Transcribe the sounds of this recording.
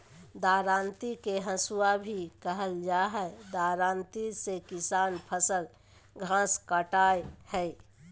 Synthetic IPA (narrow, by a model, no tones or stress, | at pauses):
d̪aːɾãːnt̪ikeɦə̃suabʱikəɦəld͡ʒaɦɛd̪aːɾãːnt̪isekɪsaːnpʰəsəl | ɡʱãskaʈaːjhɛj